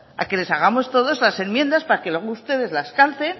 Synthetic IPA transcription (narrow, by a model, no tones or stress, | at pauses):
a̰ke̞le̞saɣ̞amo̞st̪o̞ðo̞zlase̞nmje̞nd̪aspaɾake̞lwe̞ɣoust̪e̞ð̞e̞zlaskalt̪e̞n